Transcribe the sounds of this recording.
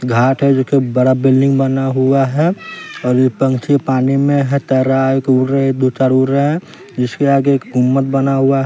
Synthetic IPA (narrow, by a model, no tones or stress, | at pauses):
ɡʱaːʈʰɦɛd͡ʒokebəɽabɪlɖɪ̃ŋɡbənaɦuaɦɛɔːɾjepə̃ŋkt͡ʃʰipaːnimẽɦɛt̪ɛːɾaekuɾed̪ot͡ʃaːɾuɾeɦɛ̃ | d͡ʒɪskeaːɡekɡʱʊmːət̪̚bənaɦuaɦ